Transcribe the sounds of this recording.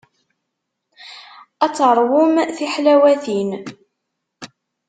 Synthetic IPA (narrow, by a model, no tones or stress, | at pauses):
æt͡sːɾˤwʊmθiħlæwæθin